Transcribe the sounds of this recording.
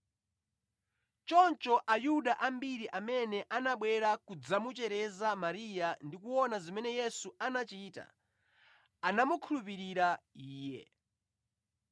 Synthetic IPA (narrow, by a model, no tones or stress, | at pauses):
t͡ʃɔnt͡ʃɔʔajuɗaʔambiɾiʔamɛnɛʔanaɓwɛɾakud͡zamut͡ʃɛɾɛzamaɾijandikuɔnazimɛnɛjɛsuanat͡ʃiːta̰ | anamukʰulup̬iɾiɾaiːjɛ̰